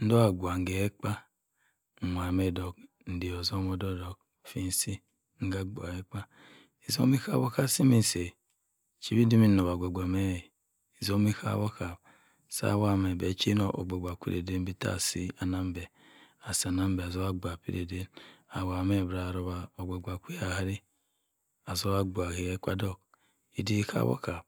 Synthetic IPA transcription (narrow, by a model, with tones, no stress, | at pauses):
n̩˦do˦a˨ɡʷa˨ŋ˨ɡe˨e˦k͡pa˦˨ | mʷ˨a˨me˦˨do˨k | n̩˨˦di˨o˨zo˦mo˦do˦do˨k̚fi˦n˦si˦ | ŋ̩˦ɡa˦ɡ͡ba̰˨e˦k͡pa˦ | i˨zo̰˦mi˦ka̰˦wo˦ka˦si˦mi˦˨se˨ | t͡ʃi˦ɾi˦di˦mi˦n˦no˨βa˨ɡʷo˨ɡ͡bʷa˨me˦˨ | i˨zo˦mi˦ka̰˦wo˦ka˨ | sa̰˦wa˦˨me˨be˨˦t͡ʃi˦no˨ʔo̰˨ɡ͡be˨ɡʷa˨kʷḭ˦ɾḛ˨de˦m˦bi˦ta̰˦˨si˦a˨na˦m˦be˨ | a˨si˨a˨na˦m˦be˨a˨zo˦a˦ɡ͡ba˨pḭ˦ɾḛ˨de˦na˨wa˨me˦˨bɾa˨ɾo˦βa˨o˨ɡ͡be˨ɡʷa˨kʷi˦a˨ha˦ɾi˦ | a˨zo˦wa˦ɡ͡bʷa˨he˨je˦ka̰˦do˦k | i˨di˦ka̰˦βo̰˦ka˨b̚